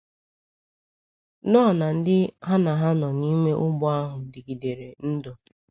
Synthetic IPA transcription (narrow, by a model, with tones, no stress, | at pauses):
nɔ˦a˨na˨n̩˦dɪ˦ɦa˦na˨ɦa˦nɔ˨ni˦me˦ʔʊ˦ɡ͡bʊ˦a˦ɦʊ˨dɪ˨ɡi˨de˨ɾe˨n̩˦do˨